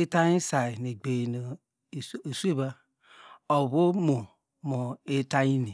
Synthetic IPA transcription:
e˦ta˦i˦sa˨i˨ne˨ɡ͡be˨no˨ | e˨su˦e˦ba˦ | o˨βo˦mo˨ | mo˨e˦ta˦ji˦ni˨

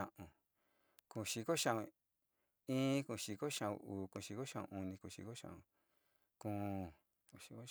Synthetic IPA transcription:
ã˧ʔũ˧˨ | kũ˧˨ʃi˧ko˦ʃã˧ũ˧ | ĩː˦kũ˧˨ʃi˧ko˦ʃã˧ṵ̃˧uː˨kũ˧˨ʃi˧ko˦ʃã˧˨ṵ̃˧ʔu˧nĩ˧ku˧˨ʃḭ˧ko˦ʃã̰˧ʔũ˧˨ | kũ˧˨ | i˧ko˦

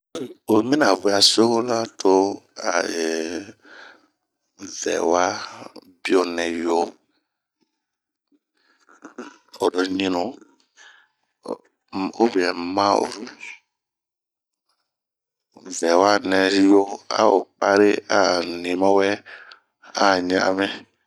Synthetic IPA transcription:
o˨mĩ˦na˨vu˨˦a˨so˦ko˦la˦tʰo˦a˨e˨ | vɛ̰˨wa˦ | bi˦o˨nɛ˨jo˦ | o˨do˦nĩ˦nu˨ | o˦bi˨ɛ˨mã˦o̰˨o˦ | vɛ˨wa˦nɛ˧˦jo˦a̰˦o̰˨pa˦ɾe˦a˨nĩ˨mã˦wɛ˦ | a˦ɲã̰˦ʔmɛ˦

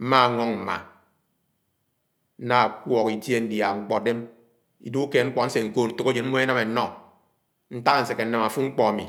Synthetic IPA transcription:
m̩˦ma˦a˨ŋɔ˦ŋm̩˨ma̰˨ | n̩˦na˦˨kwɔ˨ki˨dje˦n̩˦dja˨ŋ͡m̩˦k͡pɔ˨de˦m | ḭ˨˦du˦u˦ke˨ŋ͡m̩˦k͡pɔ˨n̩˦se˨ŋ̩˨ko˦˨n̩˦tu˨ko˦d͡ʒe˨nm̩˦mo˦e˦na˦me˨˦nɔ˦ | n̩˦ta˦ka˨n̩˨se˨kːe˨n̩˦na˨ma˨fu˦ŋ͡m̩˦k͡pɔ˨a˨mḭ˨

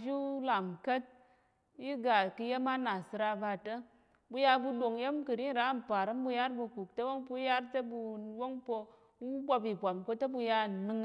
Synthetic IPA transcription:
vi˦la˨ŋ˨kə˦t̚ | ji˦ɡa˨kɨ˧je˦ma˦na˨sɨ˧ɾa˧ba˧tə˦ | bu˧ja˧bu˧ɗo˨ŋje˦mkɨ˨ɾi˦˨ɾa˨˦˨m̩˨pa˨ɾɨ˦mbu˧ja˦ɾbu˧ku˨k̚tə˦wo˦ŋpu˧˦ja˦ɾtə˦bu˧wo˦ŋpo˧ | u˦bʷa˧bi˨bʷa˨mko˧˦tə˦bu˧ja˧˨nɨ˧ŋ

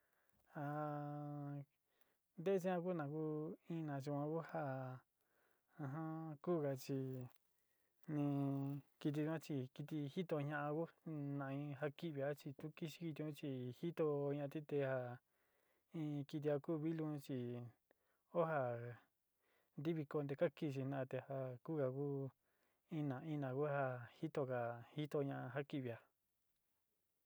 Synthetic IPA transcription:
ha˧ | nd̪e˦e˦t͡ʃĩ˦ã˧k̬u˦˧nã˧ku˦ĩ˧nã˨˧˨t͡ʃ̬i˧kʷã˧ku˦ha˦ | ã˧ɦã˦kuː˦˨ɣa˧t͡ʃi˧ | nĩ˧ki˧t̪̬i˧t͡ʃu˧ã˦t͡ʃi˧ki˧t̪i˧hi˦t̪o˧ɲã˧ʔã˧ku˦nã˧˨˧ĩ˧ɦa˧ki˦ʔβi˧a˦t͡ʃi˧t̪u˦ki˦ʃi̥˧ki˧t̪ĩ˧ũ˦t͡ʃi˧hi˦t̪o˧ɲã˧t̪ĩ˦t̪e˧ha˧ | ĩ˧ki˧t̪̬i˧a˧kuː˦˨˧βi˦lũ˧˦t͡ʃi˧ | o˦ɦa˧ | nd̪i˦βi˧ko˧nd̪e˧ka˦ki˧t͡ʃ̬i˧nã˧t̪e˧ha˧ku˦ka˧ku˦ | ĩ˦nã˨ĩ˦nã˨ku˦ha˧hi˦t̪o˧ka˨hi˦t̪o˧ɲã˧ʔã˧ɦa˦ki˧˨βi˧˨a˧

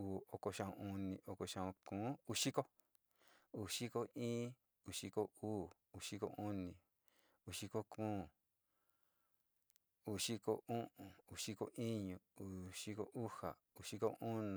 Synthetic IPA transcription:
uː˨o˧ko˧ʃã˧ṵ̃˧u˧nĩ˧ʔo˧ko˧ʃã˧ũ˧kũː˨˦u˧ʃi˦ko˦ | u˨ʃi˦ko˧ĩː˦ | u˨ʂi˦ko˧uː˦˨ | u˨ʃi˦ko̰˧ʔũ˦nĩ˧˨ | u˧˨ʃi˦ko˧kʰũː˦˨ | u˨ʃi˦ko˧ʔũ˦ʔũ˨u˨ʂi˦ko˧ʔĩ˦ɲũ˧u˨ʃi˦ko˧ʔu˦ha̰˨ | u˨ʃi˦ko˧ʔũ˦ñ˨

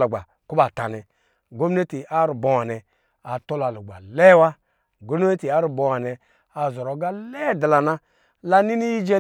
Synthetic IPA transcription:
lo˨ɡ͡ba˨ | ku˦ba˨ta˨nɛ˨ | ɡo˦m˦ne˦ti˨ʔa˦ɾu˨bo˨wa˨nɛ˨ | a˨to˦la˨lu˨ɡ͡ba̰˨le˦wa˦ | ɡo˦ne˦e˦ti˨a˦ɾu˨bo˨wa˨nɛ˨ | a˨zɔ˨ɾɔ˨˦ɡa˦lɛ˦˨da˨la˨na˦ | la˦ni˦ni˦ji˦d͡ʒe˦

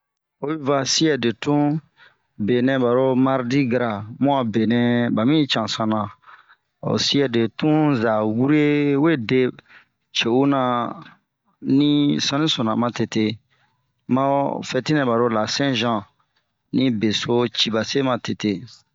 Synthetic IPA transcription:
o˦ju˦va˨si˦ɛ˨de˨tũ˦ | be˨nɛ̃˨ba˨ɾo˦ma˦ɾdi˦ɡa˨ɾa˨mɔ̃˦a˨be˨nɛ̃˦ba˨mĩ˦t͡ʃã˨sã˨nã˨ | o̰˨si˦ɛ˨de˨tũ˦za˨wu˦ɾe˦we˦de˦ | t͡ʃe˨u˦nã˨ | nĩ˦sã˦nĩ˦sɔ̃˨nã˨mã˨te˨te˦ | mã˦fɛ˨ti˦nɛ̃˨ba˨ɾo˦la˨sɛ̃˦ʒã˨ | nĩ˦be˨so˦t͡ʃi˨ba˨se˦mã˨te˨te˨

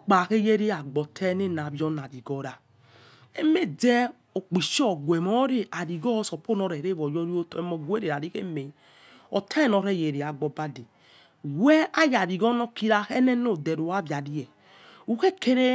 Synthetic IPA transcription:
o˦k͡pa˨ke˦je˦ɾe˦a˨ɡ͡bɔ˨tʰɛ˦ne˦˨na˨bjɔ˦na˨ɾi˨ɡɔ˨˦ɾa˨ | e˦me˦dɛ˦ | o˨k͡pi˨ʃɔ˦˨ɡʷɛ˨mɔ˨˦ɾe˦ʔa˨ɾi˨ɡɔ˦sɔ˨po˦nɔ˧ɾɛ˨ɾe˦βɔ˨jɔ˦ɾi˦o˦te˨˦mɔ˨ɡu˦e˦ɾe˨ɾa˨ɾi˦kḛ˦me˨˦ | ɔ̰˨tʰɛ˦nɔ˨ɾɛ˦˨je˨ɾe˨a˨ɡ͡bɔ˨ba˦de˨ | wɛ˦a˦ja˨ɾi˨ɡɔ˦nɔ˦ki˦ɾa˦xɛ˦nɛ˦no˦˨dɛ˨ɾo˨a˦bja˨di˦jɛ˨ | u˨ke˦ke˦ɾe˦

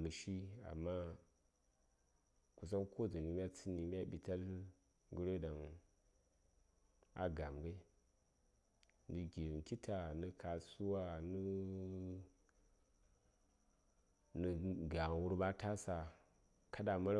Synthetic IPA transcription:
mɨ˨ʃi˦a̰˨mːa˦ | ku˨s̬a˦kko˦d͡zu˨ni˨˦m˦a˦t͡si˦ni˨m˦a˦ɓi˨ta˦l | ɡu˦ɾe˦da˨ŋ | a̰˨ɡa˨mɡa˦ | nɨ˨ɡi˨ɾki˦tʰa˨nɨ˨kʰa˨su˦wa˦nu˦ | nɨ˨ɡa˨ŋ˨wu˦ɾba˦ta˦sa˨ | ka˦da˨ma˦ɾ

